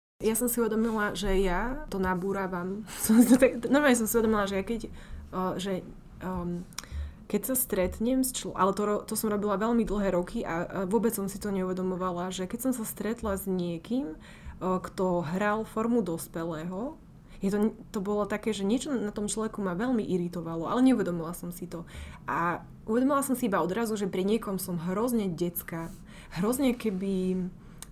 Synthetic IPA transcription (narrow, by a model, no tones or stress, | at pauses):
jasɔmsiuʋɛd̪ɔmilaʒɛjat̪ɔnabuːɾaːʋamsɔmsit̪ɔt̪aknɔɾmalɲɛs̬ɔmsiuʋɛd̪ɔmilaʒɛjakɛc | ʒɛ | kɛcsast̪ɾɛt̪ɲɛmst͡ʃlɔʔa̰lɛt̪ɔɾɔt̪ɔsɔmɾɔbilaʋɛʎmid̪l̩ˠɦɛːɾɔkʰiʔaʋʊɔbɛt͡ssɔmsit̪ɔɲɛuʋɛd̪ɔmɔʋalaʒɛkɛcsɔmsast̪ɾɛt̪lazɲɪɛkim | kt̪ɔɦɾalfɔɾmud̪ɔspɛlɛːɦɔ | jɛt̪ɔt̪ɔbɔlɔt̪akɛːʒɛɲɪɛt͡ʃɔnat̪ɔmt͡ʃlɔʋɛkumaʋɛʎmiʔiɾit̪ɔʋalɔa̰lɛɲɛuʋɛd̪ɔmilasɔmsit̪ɔʔa | ʔuʋɛd̪ɔmilasɔmsiibaɔd̪ɾazuʒɛpɾiɲɪɛkɔmsɔmɦɾɔzɲɛɟɛt͡ska | ɦɾɔzɲɛkɛbi